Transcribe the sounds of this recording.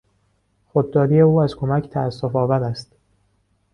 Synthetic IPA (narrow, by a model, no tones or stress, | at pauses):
xod̪̚d̪ɒːɾije̞uːæzkʰo̞mæcʰt̪ʰæːsːofɒːvæɾæst̪